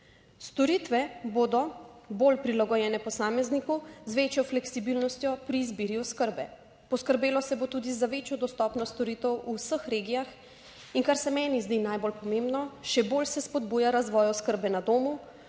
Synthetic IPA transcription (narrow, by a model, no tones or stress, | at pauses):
st̪ɔɾiːt̪ʋɛbod̪ɔbolpɾilaɡɔjɛːnɛpɔsaːmɛznikuzʋet͡ʃjɔflɛksibiːlnɔst̪jɔpɾiːzbiːɾjuskəɾbɛ | pɔskəɾbeːlɔsɛbot̪uːd̪izaʋeːt͡ʃjɔd̪ɔst̪ɔːpnɔst̪ɔɾiːt̪ɛwuwsəxɾeːɡijax | inkaɾsɛmɛːnizd̪inajbolpɔmẽmbnɔʃɛbolsɛspɔd̪buːjaɾazʋɔːjɔskəɾbɛnad̪oːmu